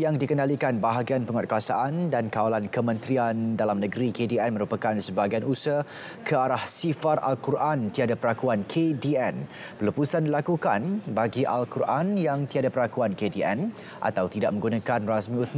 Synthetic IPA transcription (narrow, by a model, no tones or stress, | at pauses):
jaŋdikənalikanbaɦaɡianpəŋɔt̪̚kəasa̰ʔandankawalankəmə̃nt̪ɾiandalamnəɡɾikediɛnmə̃ɾupakansəbaɡajanusə | kʰəaɾahsifara̰lkuɾʔant̪iadapəɾakuankʰediɛn | pərləpusandilakukanbaɡiʔa̰lkuɾʔanjaŋt̪iadapərɾlakuankediɛ̰n | ʔa̰t̪awt̪idaʔ̚mə̃ŋɡunakanrasmĩut̪m